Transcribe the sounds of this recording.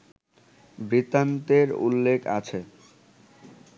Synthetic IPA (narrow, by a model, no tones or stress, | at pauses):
bɾit̪ant̪eɾṵlːekʰa̰t͡ɕʰe